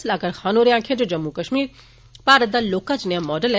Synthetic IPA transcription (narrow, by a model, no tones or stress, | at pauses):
slaːkəɾxaːnoːɾjãːkʰẽd͡ʒod͡ʒɐmːukɐʃmiːɾ | paːɾət̪d̪aːloːkat͡ʃnəjamːɔːɖəlɛ